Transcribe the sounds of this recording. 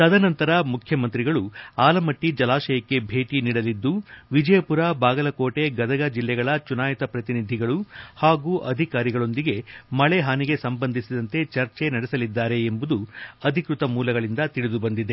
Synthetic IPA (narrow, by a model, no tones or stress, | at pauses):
t̪ɐd̪ɐnɐnt̪ɐɾɐmukʰjɐmɐnt̪ɾiɡɐɭuaːlɐmɐʈːid͡ʒɐlaːʃɐjɐkːe̞bʱe̞ːʈiniːɽɐlid̪ːuʋid͡ʒɐjɐpuɾabaːɡɐlɐko̞ːʈe̞ɡɐd̪ɐɡɐd͡ʒilːɛɡɐɭɐt͡ʃunaːjɐt̪ɐpɾɐt̪inid̪ʱiɡɐɭuhaːɡuːʔɐd̪ʱikaːɾiɡɐɭo̞nd̪iɡe̞mɐɭeɦaːniɡe̞sɐmbɐnd̪ʱisid̪ɐnt̪e̞t͡ʃɐɾt͡ʃe̞nɐɽɛsɐlid̪ːaːɾe̞ːmbud̪uɐd̪ʱikɾut̪ɐmuːlɐɡɐɭind̪ɐt̪iɽid̪ubɐnd̪id̪e